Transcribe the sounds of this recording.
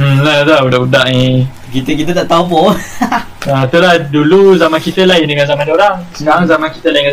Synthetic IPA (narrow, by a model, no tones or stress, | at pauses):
mlat̪audaʔudaʔi | kit̪əkit̪ət̪aʔt̪aupo | ət̪ulahduluzamãnkit̪əlaɪndəŋanzamãndolasənaŋzamãnkit̪əlaiŋa